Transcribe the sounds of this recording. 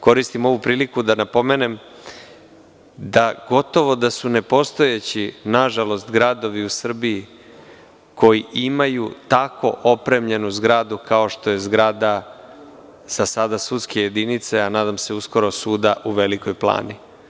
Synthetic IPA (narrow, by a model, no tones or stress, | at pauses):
ko̞ɾist̪imo̞ʋupɾiːlikud̪anapo̞me̞ne̞m | d̪aɡo̞t̪o̞ʋo̞d̪asune̞po̞st̪o̞jet͡ɕinaʒalo̞st̪ɡɾad̪o̞ʋiusr̩bii | ko̞jiʔimajut̪ako̞̰ʔopɾe̞mʎe̞nuzɡɾaːd̪ukao̞ʃt̪o̞je̞zɡɾaːd̪a | z̥asad̪asut̪ske̞je̞d̪init̪se̞anaːd̪amse̞usko̞ɾo̞suːd̪aʔuʋe̞liko̞jplˠa̰ːni